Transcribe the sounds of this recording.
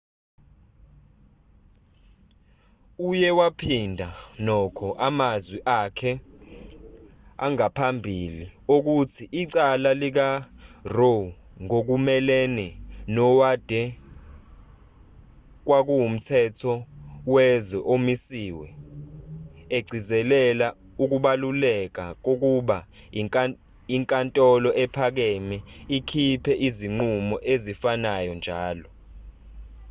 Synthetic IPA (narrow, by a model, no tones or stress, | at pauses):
ujɛwapʰindʱanɔkʰɔʔamazwiʔakʰɛ | a̰ŋapʰambʱiliok̬utʰiʔiǀalalik̬aro | ŋok̬umɛlɛnɛnɔwad̥ʱɛ | k̬wak̬uwum̩tʰɛtʰɔwɛzɛʔomisiːwɛ | eɡ͡ǀʱizɛlɛla | uk̬uɓalulɛk̬ak̬ok̬uɓa | iŋkʼantʼɔlɔʔɛpʰak̬ɛmɛikʰipʰɛʔiziŋ͡ǀumɔʔezifanajɔnd͡ʒʱaːlɔ